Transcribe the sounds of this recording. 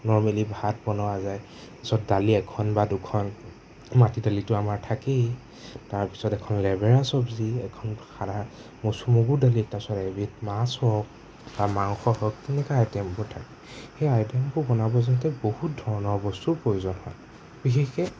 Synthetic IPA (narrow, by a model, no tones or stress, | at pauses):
nɔɹmalibʱat̚bɔnɔazaj | tasɔt̚daliɛkʰɔnbadukʰɔn | matidalitʊamaɹtʰakej | taɹpi̥sɔtɛkʰɔnlɛbɛɹasɔbziɛkʰɔnkʰana | mosumoɡuɹdalitasɔtɛbit̚masɔk | bamaŋxɔhɔk̚tɛnɛkaajtɛmpɔɹtʰakɛ̥ | xejajtɛmbʊbɔnabɔzɔntɛbohut̚dʱɔɹɔnɔɹbɔstupɹojuzɔnhɔ̰j | bixʰexkɛ